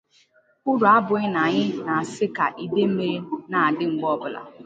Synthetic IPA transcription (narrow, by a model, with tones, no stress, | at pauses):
ʊ˦ɾʊ˨a˦bʊ˨ɲɪ˦na˨ɲɪ˦na˨sɪ˦ka˨ʔi˨de˦m̩˦me˦na˨a˨dɪ˦ŋ͡m̩˨ɡ͡bɔ˦bʊ˨la̰˨